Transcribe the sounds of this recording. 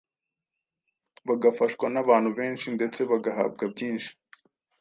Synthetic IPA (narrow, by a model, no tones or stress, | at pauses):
βaɡafaʃkwanaβaːn̥huβe̞ːnʃinde̞t͡se̞βaɡaɦa̰ːbɡabɟiːnʃi̥